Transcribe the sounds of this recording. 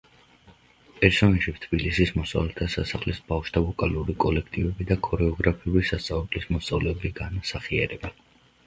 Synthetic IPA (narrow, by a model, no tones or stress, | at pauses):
pʼɛɾsɔnaʃit̪ʰbilisismɔsa̰vlɛt̪ʰasasaχlisbafʃd̪ʰavɔkʼaluɾikʼɔlɛkʰt̪ʼivɛbid̪akʰʼɔɾɛɔɡɾapʰiuɾisast̪sʼavɛblismɔst̪sʼavlɛːbiɡanasaχiaɾɛba